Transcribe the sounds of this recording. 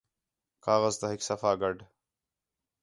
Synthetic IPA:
kaːɣəzt̪aɦɪksɐfaːɡɐɖ

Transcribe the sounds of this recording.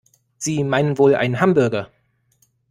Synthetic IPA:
z̥iːmaɪnənvoːlʔa̰ɪnənɦambɵɐɡɐ

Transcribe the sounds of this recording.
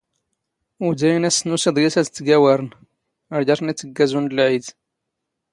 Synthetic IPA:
ud̪æjnæsnusid̪ˤjæsæt̪t̪ːɡæwæɾˤn | əɾɟɑɾnit͡s̪ːəɡːæzunəlʕid̪

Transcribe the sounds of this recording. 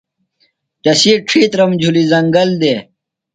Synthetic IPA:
t̪ɐsiːʈ͡ʂʰiːt̪ɾɐmd͡ʑʱulizɐŋɡɐld̪e

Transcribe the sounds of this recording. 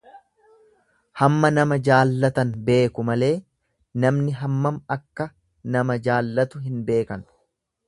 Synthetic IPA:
hɐmːɐnɐmɐd͡ʒaːlːɐt̪ɐnbe̞ːkʊmɐle̞ː | nɐmnɪɦɐmːɐmɐkːɐ | nɐmɐd͡ʒaːlːɐt̪ʊɦɪnbe̞ːkɐn

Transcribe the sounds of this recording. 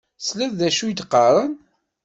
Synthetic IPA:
slæððæʃujət̪ːqːɑɾˤən

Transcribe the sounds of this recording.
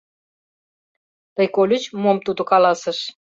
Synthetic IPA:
t̪əjkolʲət͡ɕmomt̪ud̪okɑlɑsə̆ʃ

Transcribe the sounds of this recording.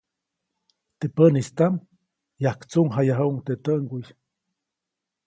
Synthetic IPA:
t̪epənist̪am | jahkt͡suŋɦajaɦəuŋt̪et̪əʔŋɡuj

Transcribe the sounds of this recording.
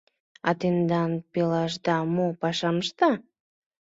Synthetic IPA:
ɑt̪end̪ɑnpelɑʃd̪ɑmopɑʃɑməʃt̪ɑ

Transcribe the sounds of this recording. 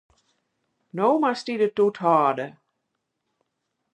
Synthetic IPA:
nowmastidət̪ːutʰɑːdə

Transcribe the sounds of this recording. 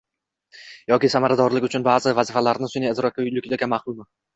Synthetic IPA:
jɒkʲɪsamaɾad̪ɒɾlɪkʲʊt͡ʃʰʊnbaːzɪvazɪfalaɾnɪsʊnɪɪzɾɒk̚ʰʲːaʊjlɪkʲʰɪd̪aɡʲamaχlˠʊmɪ

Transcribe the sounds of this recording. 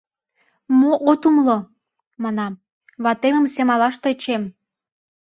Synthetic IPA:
moʔot̪umlo | mɑnɑ | βɑt̪emə̆msemɑlɑʃt̪et͡ɕem

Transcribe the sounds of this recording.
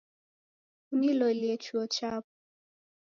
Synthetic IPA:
unilɔliɛt͡ʃuɔt͡ʃapu̥

